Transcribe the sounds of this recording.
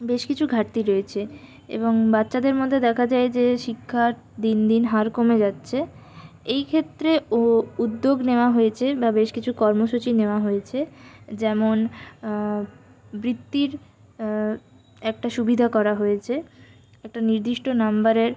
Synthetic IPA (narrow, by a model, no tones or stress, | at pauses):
beʃkit͡ɕʰuɡʱaɾt̪iɾoet͡ɕʰe | ḛboŋbatːɕad̪eɾmod̪ʱːed̪ɛkʰad͡ʑaed͡ʑeʃikʰːaɾ | d̪ind̪inɦaɾkomed͡ʑatːɕʰe | ejkʰet̪ːɾeoud̪ːoɡneoaɦojet͡ɕʰebabeʃkit͡ɕʰukɔɾmoʃut͡ɕineoaɦojet͡ɕʰed͡ʑɛmon | bɾit̪ːiɾ | ɛk̚ʈaʃubid̪ʱakɔɾaɦojet͡ɕʰe | ɛk̚ʈaniɾd̪iʃʈonambaɾeɾ